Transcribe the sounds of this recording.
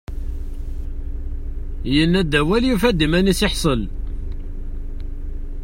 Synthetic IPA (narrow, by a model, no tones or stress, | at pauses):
jənːæd̪æwæljufæd̪imænisiħsˤəl